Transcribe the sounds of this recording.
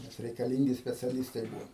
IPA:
nʲɛs rʲɛɪkɐˈlʲiːŋʲɡʲɪ sʲpʲɛt͡sʲɛˈlʲɪstɐɪ ˈbuːʋoː

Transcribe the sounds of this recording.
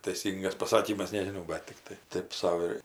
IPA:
tɐɪˈsʲiːŋɡɐs pɐˈsɑːkʲiːmɐs nʲɛʒʲɪˈnɐʊ ˈbɐt tʲɪkˈtɐɪ ˈtʲeːp ˈsɐʊ ɪr

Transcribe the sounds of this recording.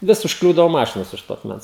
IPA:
ˈʋʲɪs ʊʃkˈlʲuːdɐoː ˈmɑːʃʲɪnoːs ʊʃ ˈtoː ɐkˈmʲɛns

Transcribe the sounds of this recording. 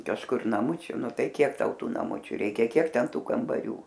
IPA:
kɐʃˈkʊr nɐˈmʊt͡ʃʲʊ ˈnʊ ˈtɐɪ ˈkʲiɛk ˈtɐʊ ˈtuː nɐˈmʊt͡ʃʲʊ ˈrʲɛɪkʲɛ ˈkʲiɛk ˈtʲɛn ˈtuː kɐmbɐˈrʲuː

